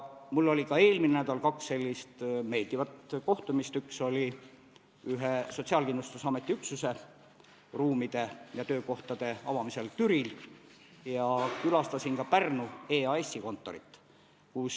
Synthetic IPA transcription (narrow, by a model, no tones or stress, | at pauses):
mulːo̞lʲikɑe̞ːlminenæd̪̥ɑlkɑksːe̞lʲːist̪me̞jlt̪ivɑt̪ko̞ht̪umist̪ykso̞lʲi | yɦeso̞t̪siɑlkind̪lust̪usɑme̞t̪ːˑiyksuse̞ | ruːmid̪̥e̞jɑt̪øːko̞ht̪ɑd̪̥e̞ɑvɑmise̞lt̪yɾil | jɑkylɑst̪ɑsinkɑpærnueːɑesːiko̞nt̪ːˑo̞ɾit̪ːˑ | kus